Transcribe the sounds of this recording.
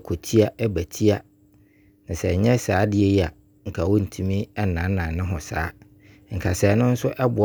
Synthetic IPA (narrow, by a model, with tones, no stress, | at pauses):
kʰo˨tʰi˦a˦ʔɛ˦bæ˨tʰi˦a˦ | nã˨sɛ˨ɲɛ̃˦saː˨˦dɪ˦ɛ˦i˦a˨ | ŋ̩˨kʰa˨wɔ˦n̩˨tʰũ˦mĩ˦ɛ˦nã˨˦nã˨nɪ̃˦ɦʊ̃˨saː˨˦ | ŋ̩˨kʰa˨sɛː˨˦nʊ̃˦n̩˦sʊ˦ʔɛ˦bʊ˨